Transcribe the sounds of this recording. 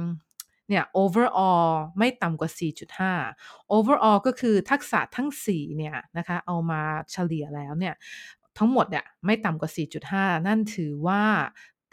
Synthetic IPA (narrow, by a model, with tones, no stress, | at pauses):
ni˥˩ɐʔoː˧wə˧˥˩ʔɔː˧ma˥˩jt̪a˨mkwaː˨˩siː˨˩t͡ɕu˨˩t̪̚haː˥˩ʔoː˧wə˧˥ʔɔː˧kɔː˥˩kʰɯː˧t̪ʰa˦˥k̚sa̰˨˩˦t̪ʰa˦˥˩ŋsiː˨˩ni˥˩ɐna˦˥kʰa˦˥ʔa˧wmaː˧t͡ɕʰa˧li˨˩əlɛː˦˥wni˥˩ɐ | t̪ʰa˦˥ŋmo˨˩t̪̚ni˥˩əma˥˩jt̪a˨˩mkwaː˨˩siː˨˩t͡ɕu˨˩t̪̚haː˥˩na˥˩nt̪ʰɯː˩˦waː˥˩